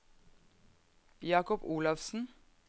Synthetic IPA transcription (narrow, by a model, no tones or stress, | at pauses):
jɑːkɔpuːlɑfsn̩